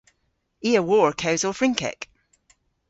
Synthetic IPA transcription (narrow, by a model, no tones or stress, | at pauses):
iːəwɔɹkʰaʊzəfɹɪ̃ŋkʰɛ̰k